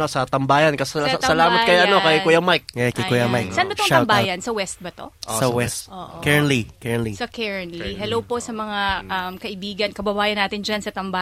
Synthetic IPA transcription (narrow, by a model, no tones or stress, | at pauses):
osɐt̪ɐmbaːjɐnkɐsɐsɐlaːmɐt̪kɐjaʔɐnokɐjkujɐmajk̚ɛkɪkujamajksɐɐnbɐt̪oŋɐmbaːjɐnsɐwɛst̪̚bɐt̪o̞̰ʔosɐwɛst̪ʔo̰ːʔkɛɹnlikɛɹnlisɐkɛɹɐnliɦɛlowpo̞sɐmɐŋaʔɐmkɐʔɪbiːɡɐnkɐbɐbaːjɐnaːt̪ɪnd͡ʒɐnsɐt̪ɐmba